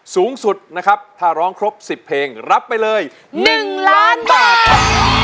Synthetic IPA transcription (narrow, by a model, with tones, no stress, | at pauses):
suː˩˦ŋsu˨˩t̪̚na˦˥kʰa˦˥p̚t̪ʰaː˥˩ɾɔː˦˥ŋkʰɾo˦˥p̚si˨˩pʰːeː˧ŋɾa˦˥pːa˧jlɤː˧j | nɯ˩˨˩ŋlaː˦˥nbaː˨˩t̚